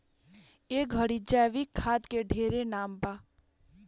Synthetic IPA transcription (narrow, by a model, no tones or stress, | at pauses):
eɡɡʱəɽid͡ʒaʋikʰːaːd̪keɖʱeːɾenaːmba